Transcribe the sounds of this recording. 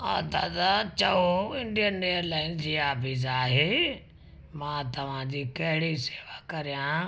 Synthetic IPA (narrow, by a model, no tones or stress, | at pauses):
a̰ːd̪a̰ːd̪at͡ʃəoɪ̃ɳɖijənːejəɾlaːɪnd͡ʒiːaːpiːzaːɦeː | mãːt̪ɐʋ̤ãːd͡ʑiːkɐɦɪɽiseːʋaːkɐɾjãː